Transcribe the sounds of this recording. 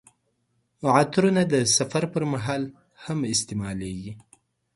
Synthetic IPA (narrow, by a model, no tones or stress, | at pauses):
ʕat̪ɾunad̪əsafaɾpəɾmaɦɑl | hamɪst̪emɑleɡi